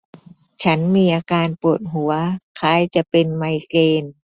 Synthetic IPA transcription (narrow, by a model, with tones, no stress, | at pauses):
t͡ɕʰa˦˥nmiː˧ʔaː˧kaː˧npu˨˩t̪̚ɦu˨˩˦ɐkʰaː˧jt͡ɕa˨˩ʔpe˧nma˧jkeː˧n